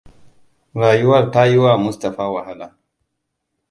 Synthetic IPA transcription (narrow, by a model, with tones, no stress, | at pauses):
ɾaː˨jʊ˦wɐ˦rta˦ji˦waː˦mʊ˦sta˨ɸaː˦wa˨ha˦laː˨